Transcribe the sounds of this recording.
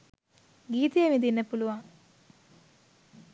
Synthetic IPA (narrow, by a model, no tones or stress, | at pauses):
ɡiːt̪ejemid̪inːəpuluʋaŋ